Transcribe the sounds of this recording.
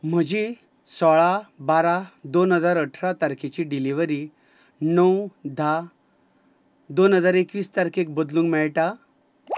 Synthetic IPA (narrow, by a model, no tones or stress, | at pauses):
m̤əd͡ʑi | sɔɭabaɾad̪onɦəd͡zaɾəʈʰɾat̪aɾkʰet͡ɕiɖiliʋəɾi | nəwd̪ʱa | d̪onɦəd͡zaɾekʋiːst̪aɾkʰek̚bəd̪lũːŋkmɛɭʈa